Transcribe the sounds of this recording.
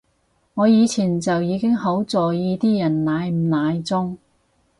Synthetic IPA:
ŋɔː˨˧jiː˨˧t͡sʰiː˨˩nt͡sɐ˨wjiː˨˧kɪ˥ŋho˨˥wt͡sɔː˨˩jiː˧t̪iː˥jɐ˨˩nnaː˨˧jm̩˨˩naː˨˧jt͡sʊ˥ŋ

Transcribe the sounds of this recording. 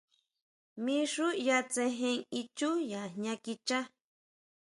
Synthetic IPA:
mĩ˦ʂu˦ja˧t͡se˧ɦẽ˧ŋi˧t͡ʃu˦ja˨ɲã˧ki˧t͡ʃa˦

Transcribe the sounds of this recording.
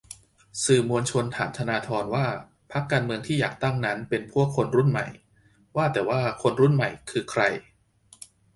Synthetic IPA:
sɯː˨˩mu˧ənt͡ɕʰo˧nt̪ʰa̰ː˩˦mt̪ʰa˧naː˧t̪ʰɔː˧nwaː˥˩ | pʰa˦˥kːaː˧nmɯ˧əŋt̪ʰiː˥˩jaː˨˩k̚t̪a˥˩ŋna˦˥npe˧npʰu˥˩əkʰːo˧nɾu˥˩nma̰˨˩j | waː˥˩t̪ɛː˨˩waː˥˩kʰo˧nɾu˥˩nma̰˨˩jkʰɯː˧kʰɾa˧j

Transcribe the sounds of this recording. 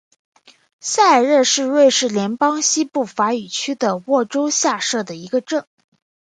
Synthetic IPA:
ɕa˥˧ɪɻə˥˧ʂɻ̩˥˧ɻwe˥˧ɪʂɻ̩˥˩ljɛ˧˥npɑ˥ŋɕi˥pu˥˩fa˧˥y˨˩t͡ɕʰy˥d̪ə˨wɔ˥˩ʈ͡ʂo˥ʊɕja˥˧ʂɤ˥˩d̪ə˩i˧˥ɡə˧ʈ͡ʂɤ˥˩ŋ

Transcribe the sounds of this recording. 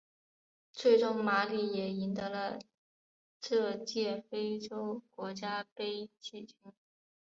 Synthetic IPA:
t͡sʰwe˥˧ɪʈ͡ʂʊ˥˩ŋma˧˥li˧˨˩jɛ˨˩i˧˥nt̪ɤ˧˥lə˧ | ʂɤ˥˧t͡ɕjɛ˥˩fe˥ɪʈ͡ʂo˥ʊkwɔ˧˥t͡ɕja˥pe˥ɪt͡ɕi˥˩t͡ɕʰy˥n

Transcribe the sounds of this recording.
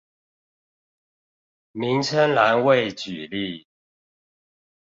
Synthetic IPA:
mi˨˦ŋt͡sʰə˦nla˧˦nwe˥˨ɪt͡ɕy˨˩li˥˨

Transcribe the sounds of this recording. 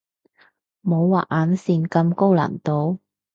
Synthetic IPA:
mo˨˧˥wwaː˨ʔ̚ʔaː˨˥nsiː˧nkɐ˧mko˥wla̰ː˨˩nt̪o˧w

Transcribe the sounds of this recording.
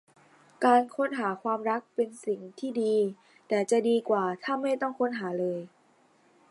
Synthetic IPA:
kaː˧nkʰo˦˥˨nɦaː˩˦kʰwaː˧mɾa˦˥k̚pe˧nsi˨˩ŋt̪ʰiː˥˩diː˧ | t̪ɛː˨˩t͡ɕa˨˩diː˧kwaː˨˩t̪ʰaː˥˩ma˥˩jt̪ɔ˥˩ŋkʰo˧˥nɦaː˩˦lɤː˧j

